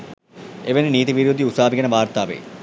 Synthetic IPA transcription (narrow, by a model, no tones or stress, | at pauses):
eʋeniniːt̪iʋiɾuːd̪ʱiusaːbʱikɐnɐʋaːɾt̪aːʋḛː